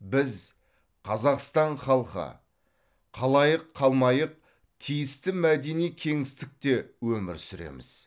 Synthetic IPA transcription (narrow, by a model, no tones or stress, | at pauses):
bɪz | qʰɑzɑqst̪ɑɴχɑlˠqə̰ | qʰɑlˠɑjəqʰːɑlˠmɑjəq̚ | t̪ʰijɪst̪ɪmæd̪e̞nijkʲʰe̞ŋɪst̪ɪk̚t̪e̞wɵmɪɾsʏɾe̞̰mɪ̰z̥